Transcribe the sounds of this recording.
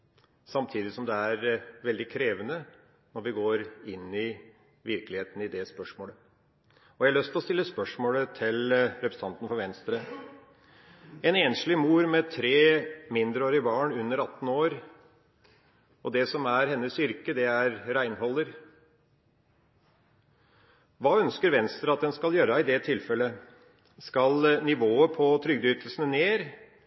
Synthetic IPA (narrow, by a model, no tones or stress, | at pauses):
sɑmt̪ʰiːd̪ɪsɔmd̪ɛæɾʋɛld̪ɪkʰɾeːʋənə | nɔɾʋɪɡoːɾɪnːɪ | ʋɪɾklɪheːt̪ənəɪd̪ɛspœʂmoːlə | ɔʋæhɑlɭœst̪lɔst̪ɪlːəspœʂmoːlət̪ʰɪlɾɛpʰɾəsəɑnt̪n̩fɔɾʋɛnst̪ɾə | ɛneːnʂɭɪmuːɾmɛt̪ʰɾeːmɪnd̪ɾəoːɾɪbɑːɳʉnːəɾɑt̪ːn̩oːɾ | ɔd̪ɛsɔmæɾhɛnːəsʏɾkəd̪ɛæɾɾæɪnhɔlːəɾ | ʋɑːœnskəɾʋɛnst̪ɾəɑt̪̚d̪ɛnskɑljøːɾɑɪd̪ɛt̪ʰɪlfɛlːə | skɑlnɪʋoːəpʰɔt̪ʰɾʏɡd̪yːt̪əlsənəneːɾ